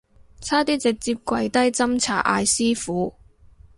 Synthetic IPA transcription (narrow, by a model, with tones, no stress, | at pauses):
t͡sʰaː˥t̪iː˥t͡sɪ˨k̚t͡si˧p̚kʷɐ˧jt̪ɐ˥jt͡sɐ˥mt͡sʰa̰ː˨˩ʔa̰ː˧jsiː˥fuː˨˥